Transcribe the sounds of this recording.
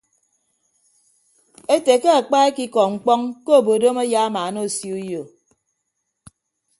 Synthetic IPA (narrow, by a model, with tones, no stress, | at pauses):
e˦te˨ke˦a˨k͡pa˦e˦ki˦kɔ˨ŋ͡m̩˨k͡pɔ˦ŋko˦o˨bo˨do˦ma˦ja˦a˦ma˨no˦˨si˦u˦jo˨